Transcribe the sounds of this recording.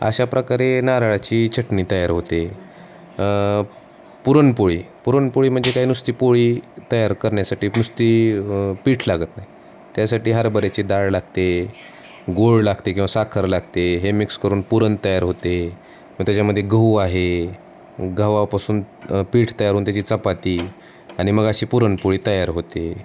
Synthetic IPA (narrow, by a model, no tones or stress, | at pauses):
ə̰ɕapɾəkaɾenaɾaɭat͡ɕiːt͡ɕəʈniːt̪əjaɾɦot̪e | puɾəɳpoɭḭːpuɾəɳpoɭiːm̤əɳd͡zekaɦiːnust̪iːpoɭiːt̪əjaɾkəɾɳjasaʈiːnust̪iːpiːʈʰlaɡət̪nai | t̪jasaʈiːɦaɾbəɾat͡ɕid̪aɭlaɡ̚t̪e | ɡoɭlaɡt̪ekʲĩw̃ʋasakʰəɾlaɡ̚t̪eɦemikskəɾuːnpuɾənt̪əjaɾɦot̪e | məɡt̪jat͡ɕjaməd̪ʱːjeɡʱəuaɦe | ɡʱaʋapasuːn | piːʈʰt̪əjaɾɦoːnt̪jat͡ɕiːt͡səpat̪iː | aɽ̃iməɡaɕiːpuɾəɳpoɭiːt̪əjaɾɦot̪e